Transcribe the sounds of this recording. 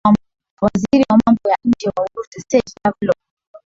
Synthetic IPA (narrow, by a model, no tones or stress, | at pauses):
m | waziɾiwamambɔjaɲd͡ʒɛwauɾutɛsɛd͡ʒavlɔ